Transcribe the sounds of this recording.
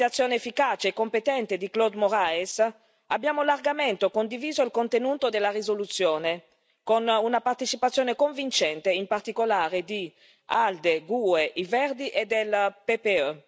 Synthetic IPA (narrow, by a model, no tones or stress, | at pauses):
at̪sːjoːneefːikat͡ʃeːkːompet̪ɛnt̪ed̪iklod̪moɾaes | abːjaːmolarɡament̪okond̪iviːzoilkont̪enuːt̪od̪elːarizolut̪sːjoːne | konunapart̪et͡ʃipat̪sːjoːnekoɱvint͡ʃɛnt̪eimpart̪ikolaːɾed̪i | ald̪eɡueʔivɛrd̪iʔed̪elpepeø